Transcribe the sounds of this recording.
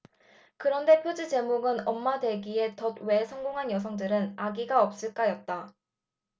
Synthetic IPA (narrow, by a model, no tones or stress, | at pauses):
kɯɾʌnde̞pʰjod͡ʑit͡ɕe̞moɡɯnʌmːadwe̞ɡie̞tʌd̚we̞sʰʌŋɡoŋɦanjʌs̬ʰʌŋdɯɾɯnaɡiɡaʌp̚s͈ɯɭk͈ajʌt̚t͈a